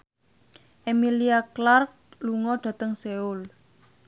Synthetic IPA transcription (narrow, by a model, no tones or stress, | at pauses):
ʔemiliaklark̚luŋɔɖ̥ä̤t̪əŋseul